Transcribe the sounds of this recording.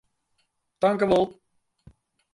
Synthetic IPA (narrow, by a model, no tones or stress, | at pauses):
d̥ɑŋkəʋɔlˠ